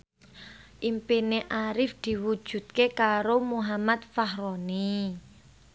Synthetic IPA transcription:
ʔimpineʔaɾɪfd̪̥i̤wu̥ʒ̥ṳt̪̚kekaɾomuɦamat̪̚faɦɾɔni

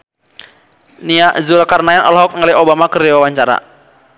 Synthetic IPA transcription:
niaʔzulakarnaɛnɔ̰lɦɔk̚ŋaliobamakəɾiwawaɲt͡ʃaɾa̰

